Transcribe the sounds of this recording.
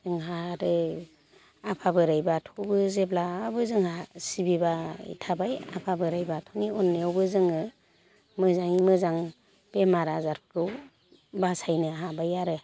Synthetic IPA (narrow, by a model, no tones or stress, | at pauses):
zɯŋɦaɾɯ | apʰabɯɾajbatʰɔbɯzeblaːbɯzɯŋhasibibaḭtʰabaja̰pʰabɯɾajbatʰɔniɔnːeɔwbɯzɯŋɯ | mɯzaŋimɯzaŋ | b̥emaɾazaɾkʰɯw | basajnɯɦabajaɾɯ